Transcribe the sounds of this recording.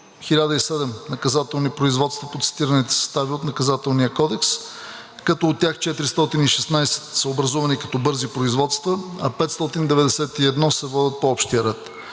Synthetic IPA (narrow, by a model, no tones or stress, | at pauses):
xilʲad̪əisɛd̪ɛmnɐkɐzat̪ɛlˠnipɾoizvɔt̪st̪vəpot̪si̥t̪iɾənit̪ɛ̥sə̥st̪aviot̪nɐkɐzat̪ɛlˠnijəkɔd̪ɛks | kɐt̪ɔːt̪ːjaxt͡ʃɛt̪ɾist̪ɔt̪iniʃɛsnajsɛ̥t̪səobɾɐzɔvɐnikɐ̥t̪ɔbɤɾzipɾoizvɔt̪st̪vəɐ̰pɛt̪st̪ɔt̪ind̪ɛvɛd̪ɛsɛt̪iɛd̪nɔsɛvɔd̪ʲət̪̚poɔpʃt̪ijəɾɛt̪